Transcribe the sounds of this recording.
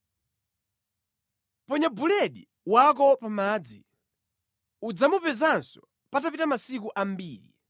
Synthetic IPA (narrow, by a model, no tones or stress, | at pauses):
pɔɲabulɛɗi | wak̬ɔpamaːd͡zḭ | ud͡zamupɛzansɔ | patapitamasik̬uʔam̩biːlḭ